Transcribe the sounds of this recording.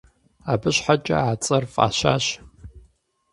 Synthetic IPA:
aːbɨɕħat͡ʃʼɐ̰aːt͡sʼɐrfʼa̰ːɕa̰ːɕ

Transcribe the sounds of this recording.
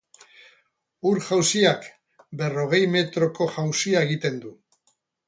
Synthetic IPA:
uɾʝawsiak | be̞ro̞ɣ̞e̞jme̞t̪ɾo̞ko̞ʝawsiae̞ɣit̪e̞nd̪u

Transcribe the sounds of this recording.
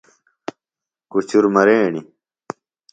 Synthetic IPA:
kut͡ɕuɾmɐɾeːɳi

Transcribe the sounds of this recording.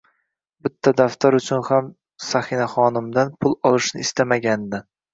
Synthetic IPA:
bɪt̪ʰːad̪aft̪ʰaɾʊt͡ʃʰʊnham | sahɪnaχɒnɪmd̪anpʰʊlˠɒlˠɪʃnɪːst̪ʰamaɡʲand̪ɪ

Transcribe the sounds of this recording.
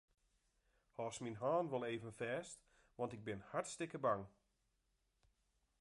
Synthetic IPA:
hɔːsminɦaːnʋɔlˠeːvənfɛːst | ʋɑntɪɡ̚bɪnhartstɪkəbaŋ

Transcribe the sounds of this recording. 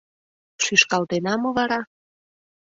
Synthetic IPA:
ʃyʃkɑlt̪enɑmoβɑɾɑ

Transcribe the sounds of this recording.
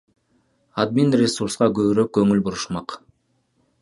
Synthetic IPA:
ad̪̚minrʲesursqɑɡøβyɾøk̚kːɵŋylbuɾuʃmɑq

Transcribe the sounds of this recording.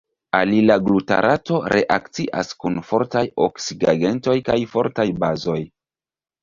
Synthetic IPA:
a̰lilaɡluta̰ɾʔato̞ɾʔe̞ʔakt͡siʔa̰skunfo̞ɾtajoksiɡaɡe̞nto̞jkajfo̞ɾtajbazo̞j

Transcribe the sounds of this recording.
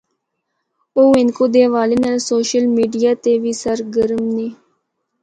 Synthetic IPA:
oːɪnkoːd̪eːʋaːlɪnəlsoːʃəlmiːɖijaːt̪eːʋiːsəɾɡəɾəmneː

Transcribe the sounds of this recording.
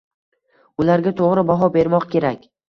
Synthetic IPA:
ʊlaɾɡʲat̪ʰoʁɾɪbaɦɒbe̞ɾmɒqkʲʰe̞ɾakʲ

